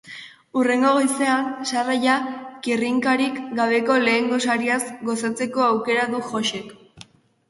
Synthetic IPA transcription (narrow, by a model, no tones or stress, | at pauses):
ure̞ŋɡo̞ɣojse̞ansarajakiriŋkaɾikɡaβ̞e̞ko̞le̞ːŋɡo̞saɾiasɡo̞sat͡se̞ko̞awke̞ɾaðuʝo̞ʃe̞k